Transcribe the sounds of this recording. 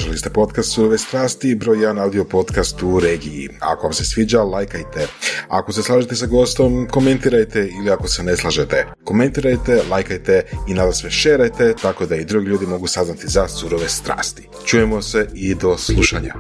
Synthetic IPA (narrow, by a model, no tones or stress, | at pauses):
ʒelist̪epo̞t̪kast̪suɾo̞ʋest̪ɾaːst̪ibɾo̞ːjed̪anawd̪io̞po̞t̪kast̪uɾe̞ːɡijḭa̰ko̞ʋamse̞sʋiːd͡ʒalajkajt̪e̞a̰ko̞se̞slˠaːʒet̪e̞saɡo̞st̪o̞mko̞me̞nt̪iɾajt̪eiliako̞sene̞slˠaʒet̪e | ko̞me̞nt̪iɾajt̪e̞lajkajt̪einad̪asmeʃeɾajt̪e̞t̪ako̞d̪aid̪ɾuɡilʎuːd̪imo̞ɡusaznat̪izasuɾo̞ʋest̪ɾa̰ːst̪i̥ | t͡ʃuːjemoseid̪o̞slˠuʃaɲa̰